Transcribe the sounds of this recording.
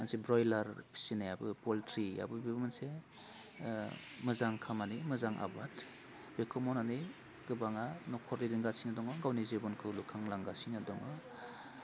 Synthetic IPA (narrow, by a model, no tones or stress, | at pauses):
mansebɾɔjlaɾpʰi̥sinajabɯpɔltɾia̰bɯbibɯmanse | mɯzaŋkʰamanimɯzaŋʔa̰bat | bekʰɔmɔnani | ɡɯbaŋanɔkʰɔɾiɾiŋɡasinadɔŋɔɡawnizebɔnkʰɯlukʰaŋlaŋɡasinɯdɔŋɯ